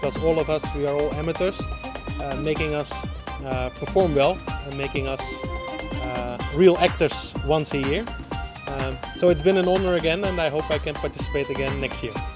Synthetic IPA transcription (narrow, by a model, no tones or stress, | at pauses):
kɔzɔlˠʌvʌswiə˞ɔlˠɛmətə˞z̥ | meɪkɪ̃ŋʌs | pʰə˞fɔɹmwɛl̃ˠnmeɪkɪ̃ŋʌs | ɹilˠæk̚tə˞z̥wʌ̃nsɨjɪɹ | soʊɨtsbɨ̃nɨ̃nɔnə˞ɨɡɛ̃nɨ̃naɪɦoʊpaɪkɨ̃npaɹtɪsə̥peɪtɨɡɛ̃nːɛkstjɪɹ